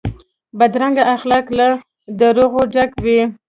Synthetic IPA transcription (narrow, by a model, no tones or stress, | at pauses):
bad̪ɾaŋɡaʔːxlakla | d̪əɾoɣoɖakwi